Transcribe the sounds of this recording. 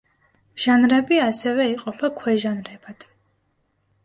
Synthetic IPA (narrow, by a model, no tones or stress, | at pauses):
ʒ̥anɾɛbiasɛvɛiqʼɔpʰakʰwɛʒanɾɛb̥ad̪̥